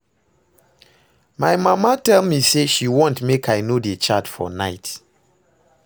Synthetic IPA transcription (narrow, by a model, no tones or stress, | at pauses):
majmamatɛlmiseʃiwɔ̃ntmekʰajnodet͡ʃatfɔ̰naɪt